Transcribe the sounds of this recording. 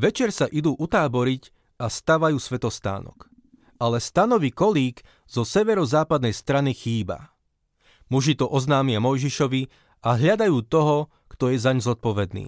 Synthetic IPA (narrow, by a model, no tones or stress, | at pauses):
ʋɛt͡ʃɛɾsaʔid̪uːʔut̪aːbɔɾic | ast̪aʋajuːsʋɛt̪ɔst̪a̰ːnɔ̰k | ʔalɛst̪anɔʋikɔliːk | z̥ɔsɛʋɛɾɔzaːpad̪nɛjst̪ɾanixiːba̰ | muʒit̪ɔʔɔznaːmɪamɔjʒiʃɔʋi | aɦʎad̪ajuːt̪ɔɦɔ | kt̪ɔjɛzaɲzɔt̪̚pɔʋɛd̪nḭː